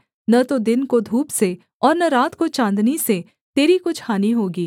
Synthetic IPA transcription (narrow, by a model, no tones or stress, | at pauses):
nɐt̪od̪ɪnkod̪ʱuːpse | ɔːɾnɐɾaːt̪kot͡ʃãːnd̪nise | t̪eːɾikʊt͡ʃʰhaːniɦoːɡiː